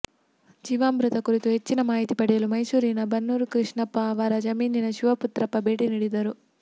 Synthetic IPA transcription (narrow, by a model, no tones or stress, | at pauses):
d͡ʒiːʋaːmbɾut̪ɐkuɾit̪uɦe̞t͡ʃːinɐmaːɦit̪ipɐɽijɐlumɐjsuːɾiːnɐbʱɐnːuːɾukɾiʂɳɐpːɐʋaːɾɐd͡ʒɐmiːninɐʃuʋɐput̪ɾɐpːɐbeːʈiniɽid̪ɐɾu